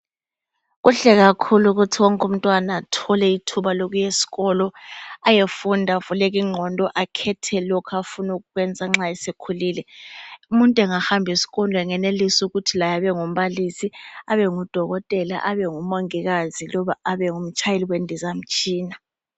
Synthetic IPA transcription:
ɣuɬɛɣakʰuluɣutʰiwɔŋkʼum̩tʼwanatʰɔlɛitʰuβaloɣujesi̥ɣɔlɔajefundʱavulɛɣ̬iŋ͡ǁʱɔndʱɔʔakʰɛtʰɛlɔkʰafunuɣuɣwɛnd͡zʱaŋ͡ǁaɛsekʰuliːlɛumuntʼɛŋahambʱisi̥ɣɔndʱɔɛŋɛnelisuɣutʰilajaβɛŋum̩βalisiaβɛŋud̥ʱɔɣɔtʼɛla̰ʔaβɛŋumoŋiɣazilɔβaaβɛŋum̩t͡ʃʰʼajeliwendʱizam̩t͡ʃʼiːna

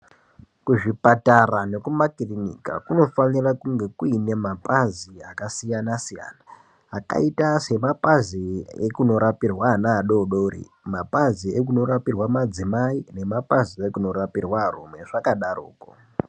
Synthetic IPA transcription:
kuʐipatarane̞kumakirinḭka̰kuno̞fanirakuŋɡe̞kuine̞mapaziakasijanasija̰naː | ka̰itase̞mapaziekuno̞ɾapirwanaːɗo̞ɗoɾḭ | mapaziek̬uno̞ɾapirwamad͡zimaine̞mapaziekuno̞rapirwarṵmwe̞ʐakaɗarṵːko̰

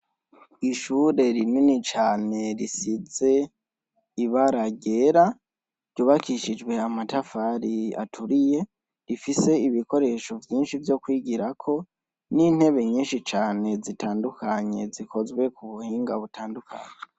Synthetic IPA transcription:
iʃuɾe̞ɾininit͡ʃaːne̞ɾisize̞ | iβaɾaɡe̞ɾa | ɾɟuːβakiʃid͡ʒwe̞amatafaɾia̰tʰuɾije̞ | ɾifise̞iβiko̞ɾe̞ʃo̞vjiːnʃivjo̞kwiːɡiɾakʰo̞ | nin̥he̞βe̞ɲiːnʃit͡ʃaːne̞zitaːndukaɲe̞zikʰo̞zɡwe̞kuβuhiːŋɡaβutʰaːndukʰa̰ɲe

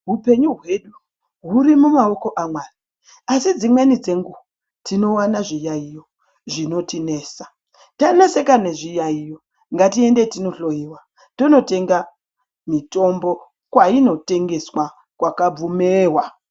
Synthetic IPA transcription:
ɦupe̞ɲuɦwe̞ɗu | ɦuɾimumaoko̞ʔamwaːni | asid͡zimwenid͡ze̞ŋɡuwa | tino̞wanaʐijaijo̞ | ʐino̞tine̞ːsa | tanese̞kane̞ʐijaijo̞ | ŋɡatie̞nde̞tino̞ɬo̞jiwa | to̞no̞te̞ŋɡa | mito̞mbo̞ | kwaino̞te̞ŋɡe̞swa | kwakab͡vumeːɦwa

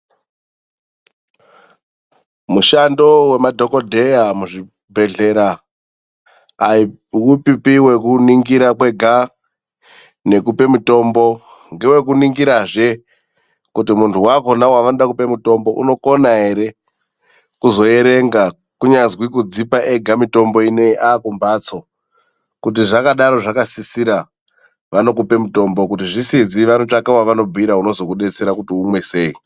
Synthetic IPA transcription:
muʃando̞we̞madʱo̞kodʱe̞jamuʐi | bʱe̞ɮe̞ɾa | i | wupipiwe̞kuniŋɡiɾakwe̞ɡʱa | ne̞kupe̞muto̞mbo̞ | ŋɡe̞we̞kuniŋɡiɾaʐe | kutimuntʰuwako̞nawaʋanoɗakupe̞muto̞mbo̞ʔṵno̞ko̞naɦe̞ɾe̞ | kuzo̞je̞ɾe̞ŋɡa | kuɲazwikud͡zipaʔeɡʱamito̞mbo̞ine̞iʔakumbat͡so̞ | kut̬iʐakaɗaɾo̞ʐakasisiɾa | ʋano̞kupe̞muto̞mbo̞kutiʐisid͡ziʋanot͡ʃakawaʋano̞b͡vʱiɾauno̞zo̞kuɗe̞t͡se̞ɾakutiumwe̞se̞ːi

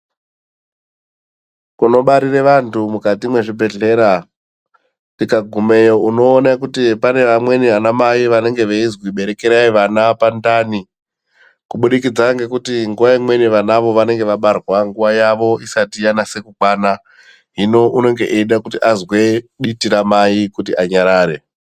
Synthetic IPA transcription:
kuno̞ɓaɾireʋantʰumukatimwe̞ʐibʱe̞ɮe̞ɾa | tikaɡʱume̞jo̞uno̞ːnakutipane̞ʋamwe̞niʋanamajiʋane̞ŋɡe̞ʋeizwiɓe̞ɾe̞keɾaiʋanapandani | kuɓuɗikid͡zaŋɡe̞kutiŋɡuʋaimwe̞niʋanaʋo̞ʋane̞ŋɡe̞ʋaɓarwaŋɡuʋajaʋo̞isatijanase̞kuɡaːna | ɦino̞ʔuno̞ŋɡe̞ʔiɗakutiʔazwe̞ɗitiɾamajikutiaɲaɾaːɾe̞

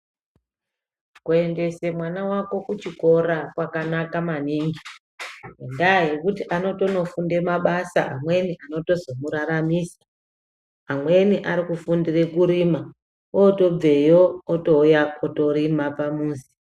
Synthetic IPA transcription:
kue̞nde̞se̞mwanawako̞kut͡ʃiko̞ɾakwakanakamaniːŋɡi | endaɦe̞kutiʔano̞to̞no̞funde̞maɓasaʔamwe̞niʔano̞to̞zo̞muɾaɾamiːsḁː | mwe̞niʔaɾikufundire̞kuɾiːma | woto̞b͡ve̞joːtojaoto̞ɾimapamuːsi̥

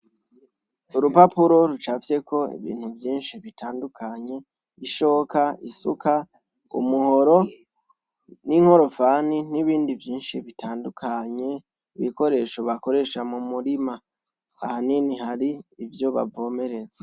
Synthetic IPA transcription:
uɾupapuɾo̞ɾut͡ʃavje̞kʰo̞ḭβḭːn̥huvjiːnʃiβitʰaːndukʰaɲe̞ | iʃo̞ːkaisṵkʰa | ṵmuho̞ɾo | niŋ̥ho̞ɾo̞faniniβiːndivjiːnʃiβitʰaːndukʰaɲe̞ | iβiko̞ɾe̞ːʃo̞βako̞ɾe̞ʃamumuɾima | ahaninihaɾiːvjo̞βa̰vo̞ːme̞ɾe̞ze

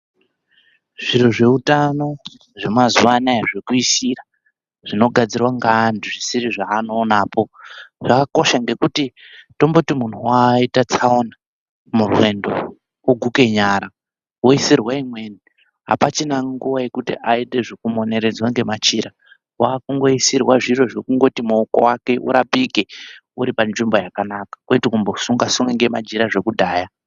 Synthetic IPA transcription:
ʐ̥iɾoʐe̞utano̞ | ʐemazuʋanaeʐekuisira | ʐ̥ino̞ɡʱad͡zirwaŋɡandiʐisiɾiʐaːno̞ːnaːpo̞ʐ̥akako̞ʃaŋɡe̞kutito̞mbo̞timun̤ʰuwaitat͡saona | murwe̞ndo̞̰ | oɡʱuke̞ɲaɾa | wo̞isirwaimwe̞ni | ɦa̰pat͡ʃinaŋɡuʋaje̞kutḭʔaite̞ʐikumo̞ne̞ɾe̞d͡zwaŋɡe̞mat͡ʃiɾa | wakuŋɡo̞isirwaʐiro̞ʐokuŋɡo̞timuoko̰wake̞ʔṵɾapike̞ | uɾipanʐimbo̞jakanakḁkwoitikumbo̞suŋɡasuŋweŋɡe̞mad͡ʒiɾaʐe̞kudʱaːja

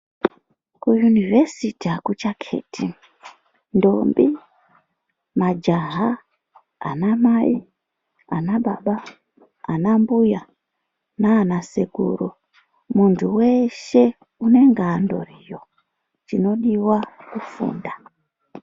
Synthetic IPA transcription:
kujunivesitiakut͡ʃakʰe̞̰ːtʰi | ndombi | mad͡ʒaɦa̰ː | namai | a̰naɓaɓa | anambuja | naːnaseɡʱṵːru | muntʰuwe̞ʃe̞ | une̞ŋɡaːndo̞̰rijo̞ | d͡ʒino̞ɗiwakufṵːnda

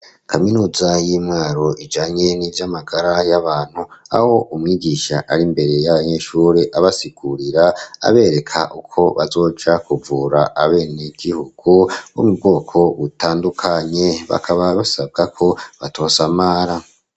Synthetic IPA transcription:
kʰaminuːzajiːmŋaːɾo̞ʔid͡ʒaːɲe̞nivjamaɡaɾajaβaːn̥hua̰ho̞ʔumŋiːɟiːʃaʔaɾimbe̞ɾe̞jaβaɲe̞ːʃuːɾeʔaβasiɡ̥uɾiɾaa̰βe̞ːɾe̞kʰaʔukʰo̞βazo̞ːd͡ʒakuvuːɾaʔaβe̞ːneɡ̥ihuɡ̥uwo̰mubɡo̞ːkʰo̞βutaːndukʰaɲe̞βa̰kʰaβaβasab̚ɡakʰo̞βatʰo̞ːsamaːɾa

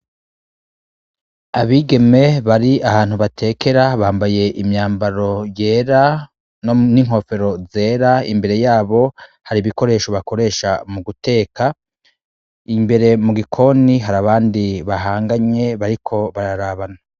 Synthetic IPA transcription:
aβiːɡe̞me̞βaɾiʔahaːn̥huβatʰe̞ːke̞ɾaβaːmbaje̞ʔimɲaːmbaɾo̞je̞ːɾa | noniŋ̥ho̞fe̞ɾo̞ze̞ːɾaḭmbe̞ɾe̞jaːβo̞haɾiβiko̞ɾe̞ːʃo̞βako̞ɾe̞ʃamuɡute̞ːka | imbe̞ɾe̞muɡikʰo̞niɦaɾaβaːndiβaɦaːŋɡaɲe̞βaɾikʰo̞βaɾaɾaβana

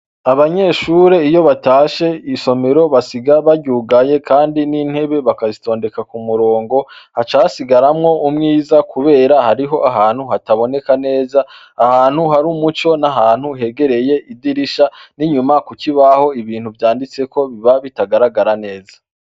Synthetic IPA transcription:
aβaɲe̞ʃuːɾeijo̞βataːʃe̞iso̞me̞ɾo̞βasiɡaβaɟuːɡaje̞kʰaːndinin̥he̞βe̞βakazito̞ːnde̞kakumuɾo̞ːŋɡo̞hat͡ʃasiɡaɾamŋo̞umŋiːzakuβe̞ːɾahaɾiɦo̞ʔaɦaːn̥huhataβo̞ne̞kane̞ːzaː | haːn̥huɦaɾumut͡ʃo̞naɦaːn̥huɦe̞ɡe̞ɾe̞je̞idiɾiʃaniɲumakukiβaho̞iβiːn̥huvjaːndit͡se̞ko̞βiβaβitaɡaɾaɡaɾane̞ːza

